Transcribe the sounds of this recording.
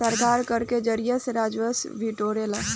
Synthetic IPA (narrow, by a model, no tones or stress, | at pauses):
əɾkaɾkəɾked͡ʒəɾijəseɾad͡ʒʋəsbʱiʈoɾela